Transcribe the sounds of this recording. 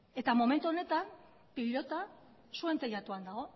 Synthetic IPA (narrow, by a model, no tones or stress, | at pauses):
e̞t̪amo̞me̞nt̪uo̞ne̞t̪am | piʎo̞t̪a | sue̞nt̪ejat̪uand̪aɣ̞o̞